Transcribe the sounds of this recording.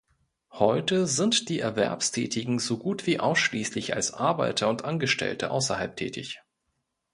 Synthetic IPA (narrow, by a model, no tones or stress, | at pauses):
hɔʏtəzɪntd̥iːɛɐvɛ̰ɐpstʰɛ̰ːtʰɪɡŋ̩zoɡuːtv̥iːʔa̰ʊsʃliːslɪça̰lsʔaɐbaɪtʰɐʊntʔanɡəʃtɛ̰ltʰəʔa̰ʊsɐ̰halp̚tʰɛ̰ːtʰɪ̰ç